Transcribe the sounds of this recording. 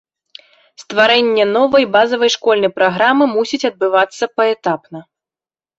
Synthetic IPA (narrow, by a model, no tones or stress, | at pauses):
st̪vaɾɛnʲːɛnɔvɐjbazɐvɐjʂkɔlʲnɐjpɾaɣɾamɨmusʲit͡sʲɐd̪̚bɨvat̪sːɐpɐɛt̪apnɐ